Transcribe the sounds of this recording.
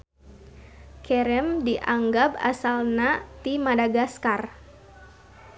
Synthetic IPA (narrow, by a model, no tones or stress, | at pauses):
kʰɛɾɛmdiʔaŋɡap̚a̰salnat̪imadaɡaskar